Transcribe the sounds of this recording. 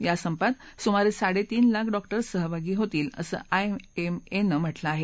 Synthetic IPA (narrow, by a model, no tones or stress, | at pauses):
jasəmpat̪sumaɾesaɽet̪iːnlakʰɖɔkʈəɾsəɦəbʱaɡiːɦot̪iːlə̰sə̰ːʔaeemenəm̤əʈlaːɦe